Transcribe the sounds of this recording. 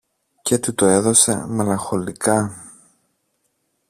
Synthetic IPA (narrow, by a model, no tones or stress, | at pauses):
cet̪it̪o̞e̞ðo̞se̞̰me̞lɐŋxo̞likɐ